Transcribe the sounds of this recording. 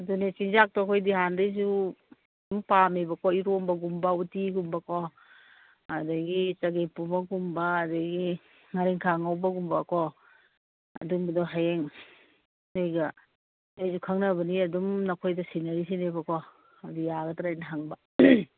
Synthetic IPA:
dunet͡ʃiŋzak̚tɔkʰojdiɦandajzu | dumpamebɐkɔiɾombɐɡumbɐutiɡumbɐkʰɔ | ɐdɐɡit͡ʃɐɡepubɐɡumbɐːdɐɡi | ŋaɾiŋkʰaŋawbɐɡumbɐkɔ | ɐ̰dumdɔɦajeŋ | nejɡɐ | dajzukʰaŋnɐbɐniɐdumnɐkʰojdɐsinɐɾisinebɐkɔ | ɐdijaɡɐtaɾajnɐɦaŋbɐ

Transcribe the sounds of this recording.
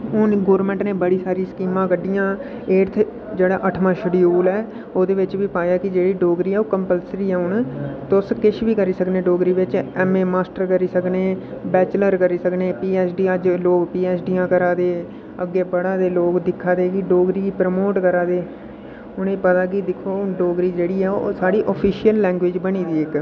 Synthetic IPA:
ʊnɡoːɾmɛ̃ɳʈnẽːbəɽiːsaːɾĩːskiːmãːkəɖijãː | eːɾt̪ʰ | d͡ʒeːɽaːʔəʈʰmãːʃəɖijoːlɛː | oːd̪eːʋɪt͡ʃʋiːpaːjaːkɪd͡ʒeːɽiːɖoːɡɾiːɛːoːkəmpəlsɾiːɛːʊɳt̪ʊskɪʃʋiːkəɾiːsəknẽːɖoːɡɾiːʋɪt͡ʃɛːmeːmaːsʈəɾkəɾiːsəkneːbɛːt͡ʃləɾkəɾiːsəkneːpiːɛːsʰɖiːəd͡ʒloːkpiːɛːsɖiːãːkəɾaːd̪eː | əɡːeːbəɽaːd̪eːloːkd̪ɪkʰːaːd̪eːkɪɖoːɡɾiːkipɾəmoːʈkəɾaːd̪eː | ʊnẽːpət̪aːkɪd̪ɪkʰːoːɖoːɡɾiːd͡ʒeːɽiːɛːosaːɽiːʔəpʰiːʃijəlːɛ̃ːŋɡʋɪd͡ʒbəñiːd̪iːɪk

